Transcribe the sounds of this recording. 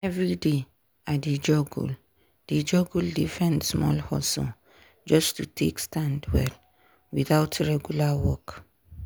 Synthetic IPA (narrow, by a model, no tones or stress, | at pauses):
ɛvɹide | adid͡ʒɔɡṵl | did͡ʒɔɡuldifɛ̃ndsmɔ̰lhɔ̰sɔ̰ | d͡ʒɔstutʰekstãndwɛ̰l | wiθaʊtʰɹɛɡjulawɔk